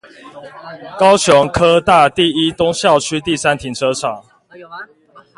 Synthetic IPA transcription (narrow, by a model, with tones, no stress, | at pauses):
kɑ˥˦ʊt͡ɕʰjo˨˦ŋkʰɤ˦˥t̪a˥˨t̪i˥˨i˦t̪o˦ŋɕjɑ˥˨ʊt͡ɕʰy˦t̪i˥˨sa˦nt̪ʰi˨˦ŋʈ͡ʂʰɤ˦ʈ͡ʂʰɑ˨˩˦ŋ